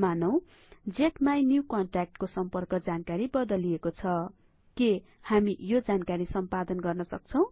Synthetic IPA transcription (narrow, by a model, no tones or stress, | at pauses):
manʌw̃ | d͡zeʈmajnjukʌɳʈrak̚ʈkosʌmpʌrkʌd͡zankaɾibʌd̪ʌliekot͡sʰʌ | ke | hamijod͡zankaɾisʌmpad̪ʌnɡʌrnʌsʌ̰k̚t͡sʰʌ̃w̃